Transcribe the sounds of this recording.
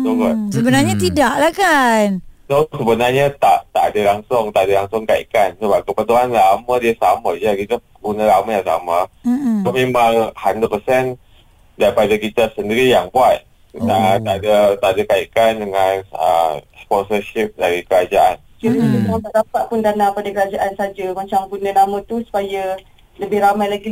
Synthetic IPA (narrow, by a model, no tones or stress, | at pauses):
uɡəsəbənarɲat̪idaʔlahkannosəbənarɲat̪aʔt̪aʔadalaŋsʊŋt̪aʔadalaŋsʊŋkaḭkansəbap̚kəpət̪uanlamãdiəsamad͡ʒakit̪a | ɡunalamajaŋsa̰maomẽmãŋhandəpəsɛn | daɾipadakit̪asəndiɾijaŋbuat̪̚ | ət̪adat̪adakaikandəŋanə̰spɔnsəʃip̚daɾikəɾad͡ʒaʔansiɾiinimat̪aʔdapat̪̚pʊndanapadakəɾad͡ʒaʔansad͡ʒəmat͡ʃamkunənamãt̪usu̥pajə | ləbɪhɾamajlaɡi